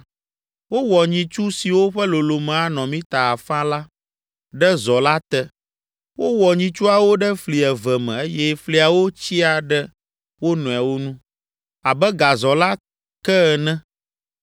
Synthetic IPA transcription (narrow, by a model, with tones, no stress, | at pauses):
wo˦wɔ˨ɲĩ˨t͡ʃu˦si˨wo˦ɸɛ˦lo˨lo˨mɛ̃˨a˨˦nɔ̃˨mĩ˦t̪a˨a˨fã˦la˦ | ɖɛ˦zɔ˨la˦t̪ɛ˦ | wo˦wɔ˨ɲĩ˦t͡ʃu˦a˨wo˦ɖɛ˦fli˨ɛ˨vɛ˨mɛ̰̃˨e˦jɛ˦fli˦a˨wo˦t͡ɕi˦a˨ɖɛ˦ | wo˦nɔ̃˨a˨wo˦nũ˦ | a˨bɛ˦ɡa˨zɔ˨la˦ | kɛ˦˨nɛ̃˦